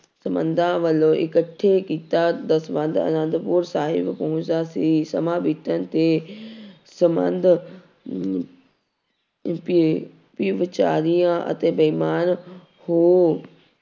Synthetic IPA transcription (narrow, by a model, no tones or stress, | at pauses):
səmənd̪ʱãːʋəlõːʔɪ̰kəʈʰːeːkiːt̪aːd̪əsbə̃nd̪ə̰nə̃nd̪pʊːɾsaːɦɪbpəɦʊ̃t͡ʃd̪aːsiːsəmãːbit̪ənt̪eː | səmə̰nd̪ʱ | p | pɪʋət͡ʃaːɾijãːʔə̰t̪eːbəimaːn | hoː